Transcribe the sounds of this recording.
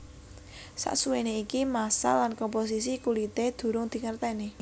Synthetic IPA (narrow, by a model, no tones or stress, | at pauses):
sa̰ʔsuweneikimasa̰lankɔmpos̬is̬ikulit̪ed̪̥ṳɾʊŋd̪̥i̤ŋərt̪ɛne